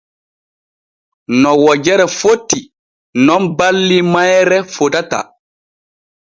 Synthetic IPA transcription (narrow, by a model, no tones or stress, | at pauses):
nɔwɔd͡ʒɛɾɛfotːi | nɔnbalːimajɾɛfotata̰